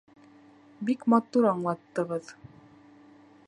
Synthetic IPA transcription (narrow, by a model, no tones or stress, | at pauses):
bikmɑt̪uɾɑɴlˠɑt̪ːɤ̆ʁɤð